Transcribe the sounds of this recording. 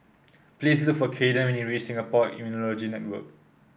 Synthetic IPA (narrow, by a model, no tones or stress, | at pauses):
plislʊk̚fɔkʰedə̃nwɛ̃niɹisɪ̃ŋəpɔtḭ̃munɔlɔd͡ʒinɛt̚wə̰k̚